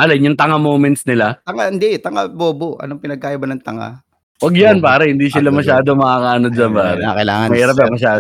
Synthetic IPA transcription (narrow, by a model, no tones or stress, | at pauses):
ʔɐlɐnjʊŋt̪ɐŋamoːmɛnt̪snɪlat̪ɐŋahɪnd̪ɛt̪ɐŋa̰boːboɐ̰noŋpɪnɐɡ̚kaːʔibɐnɐŋt̪ɐŋa̰ | wɐɡjanpaːɾɐhɪnd̪iːsɪlamɐʃaːd̪omɐkakaːnod̪̚sɐbaːɾɐakɐla̰ːŋɐmɐiɾɐp̬̚amɐʃaː